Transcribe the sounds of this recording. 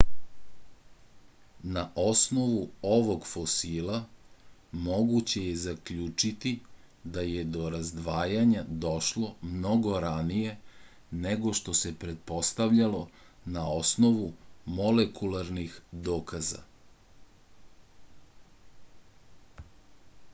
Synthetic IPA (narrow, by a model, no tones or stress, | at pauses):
naʔo̞sno̞ʋuo̞ʋo̞ɡfosiːlˠa | mo̞ɡut͡ɕe̞jezakʎuːt͡ʂit̪i | d̪aje̞d̪o̞ɾazd̪ʋaːjaɲad̪o̞ʃlo̞mno̞ɡo̞ɾanije̞ | neɡo̞ʃt̪o̞se̞pɾet̪̚po̞st̪aʋʎalo̞ | naosno̞ʋumo̞lekulaɾnixd̪oːkaza̰